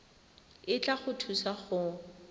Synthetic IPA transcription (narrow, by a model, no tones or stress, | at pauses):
ɪt͡ɬʼaχʊtʰusaχʊ